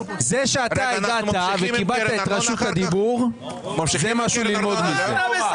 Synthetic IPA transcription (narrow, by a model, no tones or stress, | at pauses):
zeʃeat̪aeɡaavekibalt̪aet̪ʁaʃut̪ad̪ibuʁ | zemaʃulilmo̞d̪mike